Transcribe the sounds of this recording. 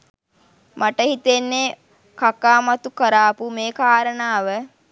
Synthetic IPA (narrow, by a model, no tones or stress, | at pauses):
maʈəhit̪enːe | kakaːmat̪ukəɾaːpumeːkaːɾənaːʋə